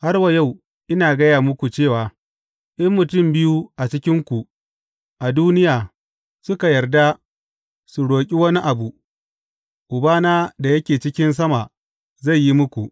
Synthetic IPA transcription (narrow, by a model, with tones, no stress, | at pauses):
ha˦rwa˨ja˦˨w | ʔɪ˦naː˨ɡɐ˦jaː˨mʊ˦kʷu˨t͡ʃeː˦˨waː˨ | ʔɪ˦mːʊ˨tʊ˦˨mbɪ˦ju˦ʔa˨t͡ʃɪ˦kʲɪ˦ŋkʷu˨ | ʔa˨duː˦nɪ˦jaː˨ | sʊ˦ka˨jɐ˨rda˦ | su˨ɽoː˨kʲʼi˦wɐ˦ni˦ʔa˨bu˨ | ʔʊ˨baː˦naː˦da˨jɐ˦kʲeː˨t͡ʃɪ˦kʲɪ˦ns̬ɐ˦ma˨ | za˦˨jːi˦mʊ˦kʷu˨ʔ